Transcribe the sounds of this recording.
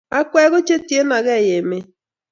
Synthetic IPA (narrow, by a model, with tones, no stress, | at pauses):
a˦kʷɛ˦ɣo˦t͡ʃe˦ti˨e˦na˨ɣe˦˨je˨me˦